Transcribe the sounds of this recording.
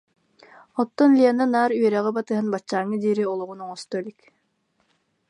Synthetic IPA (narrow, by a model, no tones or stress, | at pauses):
ɔt̪ːɔnlʲiɛnanaːɾyœɾɛʁibat̪ɯɦanbat͡ɕːaːŋːɯd̪iːɾiɔlˠɔʁunɔŋɔst̪ɔlʲik